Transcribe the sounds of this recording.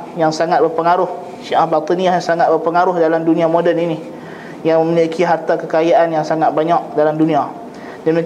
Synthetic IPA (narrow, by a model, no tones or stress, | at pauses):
jaŋsaŋat̪̚bərpəŋaɾʊh | ʃiʔahbat̪iniajaŋsaŋat̪̚bərpəŋaɾʊhdalamdunĩamodənini | jaŋməmilekʰiɦart̪akəkajaʔanjaŋsaŋat̪̚baɲak̚dalamdunĩa | dəmik